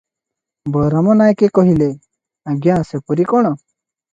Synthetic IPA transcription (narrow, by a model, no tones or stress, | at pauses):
bɔɾamɔnajkekɔɦile | aɡjãːsepuɾikɔɽ̃ɔ